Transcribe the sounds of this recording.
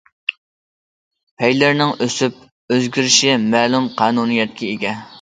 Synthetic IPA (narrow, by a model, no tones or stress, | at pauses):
pʰɛjlɪɾnɪŋøsyp̚ | øzɡʲyɾɪʃimɛːlumqʰɑːnunijɛt̪̚kʲɛeɡʲɛ